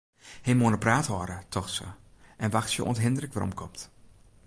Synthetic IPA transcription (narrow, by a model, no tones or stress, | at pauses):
hejmoənəpraːtɔɾətʰɔxsə̰ | ʔɛnʋaxtsjə̰ʔɔ̰ntɦɪndərəkʋarɔ̰mkʰɔmt